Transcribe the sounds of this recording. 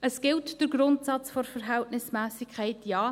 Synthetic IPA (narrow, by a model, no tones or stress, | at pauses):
əsɡ̥ɪltd̥əɾɡɾʊntsɑt͡sfɔrfəɾɦæltnɪsmæːsikʰaɪtjɑː